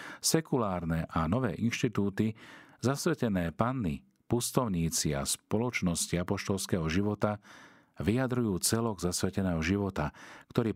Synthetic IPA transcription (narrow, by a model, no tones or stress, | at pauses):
sɛkulaːɾnɛʔanɔʋɛ̰ːʔinʃt̪it̪uːt̪izasʋɛcɛnɛːpanːḭ | pust̪ɔʊɲiːt͡sia̰spɔlɔt͡ʃnɔsciapɔʃt̪ɔlskɛɦɔʒiʋɔt̪a | ʋijad̪ɾujuːt͡sɛlɔɡzasʋɛcɛnɛːɦɔʒiʋɔt̪akt̪ɔɾiː